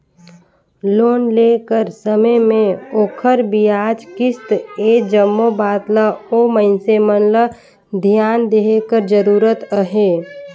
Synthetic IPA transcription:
loːnlekəɾsəməjmẽoːkʰəɾbijaːd͡ʒkɪst̪eːd͡ʒəmːobaːt̪ləoməɪnsemənlə | d̪ʱjaːnd̪eɦekəɾd͡ʒəɾuːɾət̪əɦeː

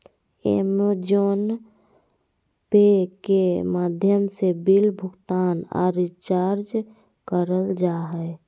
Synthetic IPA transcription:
ḛmd͡ʒon | pekemaːd̪ʱjəmsebilbʱʊɡt̪aːna̰ɾit͡ʃaːɾd͡ʒ | kəɾəld͡ʒaɦɛe

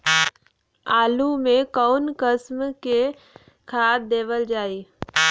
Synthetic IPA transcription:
aːlumẽkaːnkəsmke | kʰaːt̚d̪eːʋəld͡ʒaːiː

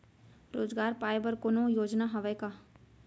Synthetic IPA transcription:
ɾoːd͡ʒɡaːɾpaːebəɾkonõjoːd͡ʒnaɦɐʋəjka

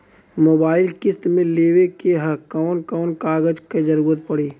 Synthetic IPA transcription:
moːbaːɪlkɪst̪mẽleːwekeɦəkaːʊnkaːnkaːɡəd͡ʒked͡ʒɐɾuːɾət̪̚pəɽeː

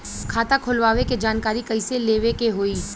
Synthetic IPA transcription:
kʰaːt̪akʰʊlʋaːʋeked͡ʒaːnkaːɾikɐiseleːʋekeɦoːiː

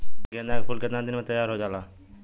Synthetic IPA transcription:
ɡẽːnd̪aːkpʊlket̪ãːd̪ɪnmẽːt̪əjːaːɾɦoːd͡ʒaːlaː

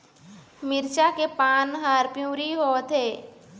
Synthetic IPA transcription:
mɪɾt͡ʃakepaːnɦaːɾpjũːɾiɦoːt̪ɦeː

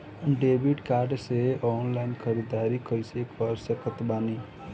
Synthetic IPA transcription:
ɖebiʈkaɾɖseɔnlaɪnkʰəɾid̪aɾikʰəjsekəɾsəkət̪bani

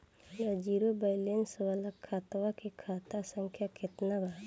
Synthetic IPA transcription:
nəd͡ʒiɾobəjlenswalakʰːat̪wakekʰaːt̪asə̃ŋkʰjaket̪nabaɦ

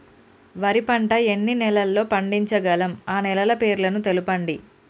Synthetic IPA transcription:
ʋɐɾipɐɳʈɐe̞nːinɛlɐlːo̞ːpɐɳɖiɲt͡ʃɐɡɐlɐmaːnɛlɐlɐpe̞ːɾlɐnut̪e̞lupɐɳɖi

